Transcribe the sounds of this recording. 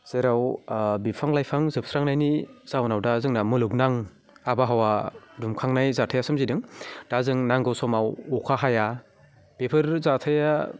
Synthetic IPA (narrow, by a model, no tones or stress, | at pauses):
z̥eɾawbipʰaŋlajpʰaŋzɯp̚sɾaŋnajnizawnawdazɯŋnamɯluknaŋ | abaɦawadumkʰaŋnajzatʰajasɯmzidɯŋd̥azɯŋnaŋɡɯwsɔmawɔkʰaɦaja | pepʰɯɾzatʰaja